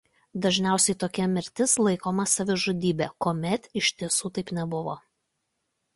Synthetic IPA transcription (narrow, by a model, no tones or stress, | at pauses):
d̪ɐʒʲnʲæˑʊsʲɛɪt̪oːkʲɛmʲɪɾʲt̪ʲɪslˠɐɪkoːmɐsɐʋʲɪʒʊd̪ʲiːbʲeːkoːmʲɛt̪ɪʃʲt̪ʲiɛsuːt̪ɐɪpnʲɛbʊʋo̰ː